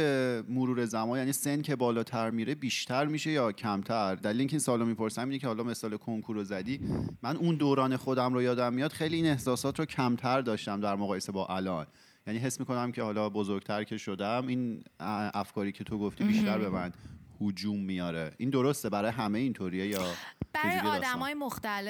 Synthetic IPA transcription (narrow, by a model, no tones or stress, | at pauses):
emoɾuːɾe̞zæmɒːnjænise̞ncʰe̞bɒːlɒːt̪ʰæɾmiɾebiːʃt̪ʰæɾmiʃe̞jɒːcʰæmt̪ʰæɾd̪ælileiŋkʰeiːnsɒːlomiːpʰo̞ɾsæminecʰe̞hɒːlɒme̞sɒːlekʰoŋkʰuɾozæd̪iːmænʔund̪oːɾɒːne̞xod̪æmɾojɒːd̪æmːijɒːd̪̥χejliiːne̞hsɒːsɒːt̪ʰɾocʰæmt̪ʰæɾd̪ɒːʃt̪æmd̪æɾmoɣɒːje̞se̞bɒːʔælɒːn | jæniɦe̞smiːko̞næmcʰe̞hɒːlɒbozoɾɟ̥̚t̪ʰæɾcʰe̞ʃod̪æminʔæfkʰɒːɾiːcʰe̞t̪ʰo̞ɡoft̪ibiːʃt̪æɾbe̞mænhud͡ʒumːijɒːɾeʔind̪o̞ɾo̞st̪e̞bæɾɒːjeɦæmejeint̪ʰoɾiejɒːb̥æɾujɡ̪ːd̪æmmɒːjemoxt̪æle